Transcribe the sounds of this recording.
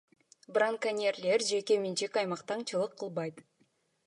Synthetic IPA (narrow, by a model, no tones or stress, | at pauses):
brankanʲeɾle̞ɾʒe̞kʲe̞menʃe̞kʲɑjmɑqt̪ɑnt͡ʃʰəlˠəqʰːəlˠbɑjd̪